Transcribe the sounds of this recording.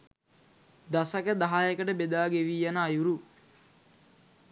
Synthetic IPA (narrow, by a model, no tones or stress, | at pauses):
d̪asɐkəd̪aɦajəkəʈəbed̪aːɡeʋiːjanaːjuɾu